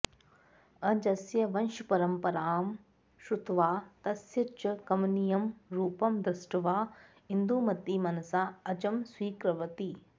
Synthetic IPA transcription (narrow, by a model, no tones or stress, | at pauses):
ɐd͡ʒɐsjɐʋɐnʃupɐɾɐmpɐɾaːm | ʃut̪ʋaːt̪ɐsjɐt͡ʃɐkɐmnijɐmɾuːpɐmd̪ɾɪsʈɐʋaː | ind̪uːmɐt̪ːiːmɐnɐsaːɐt͡ʃɐmswiːkɾɐʋɐt̪i